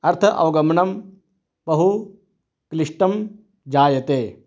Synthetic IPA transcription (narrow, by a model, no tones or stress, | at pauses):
ɐɾt̪ʰɐʔɐ̰ʋɐɡɐmɐɳɐm | bɐɦu | kliʂʈɐm | d͡ʒaːjɐt̪eː